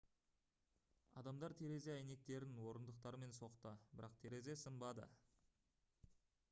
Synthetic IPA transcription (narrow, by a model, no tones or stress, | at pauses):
ɑ̰d̪ɑmd̪ɑɾt̪ʰe̞ɾe̞ze̞æjne̞k̚t̪e̞ɾɪnwo̞ɾənd̪əq̚t̪ɑɾəme̞nso̞qt̪əbɪɾɑqt̪ʰe̞ɾe̞ze̞səmbɑd̪ə̰